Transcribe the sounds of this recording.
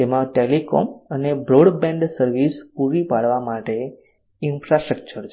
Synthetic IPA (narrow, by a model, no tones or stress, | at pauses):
t̪emãʈelekɔ̰mənebɾoɽbɛ̃ɳɖsəɾʋispuɾipaɽʋamaʈe | infɾasʈɾək̚t͡ʃəɾt͡ʃʰ